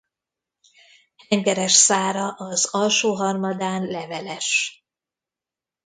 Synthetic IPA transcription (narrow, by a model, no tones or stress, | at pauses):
hɛŋɡɛɾɛʃsaːɾɒʔɒzɒlʃoːɦɒrmɒd̪aːnlɛvɛlɛʃ